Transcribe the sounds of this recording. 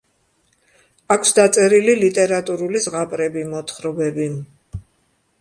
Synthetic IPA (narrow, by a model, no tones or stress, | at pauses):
akʷʰsd̪at̪sʼɛɾililit̪ʼɛɾat̪ʼuɾulizʁapʼɾɛbimɔt̪ʰχɾɔbɛbi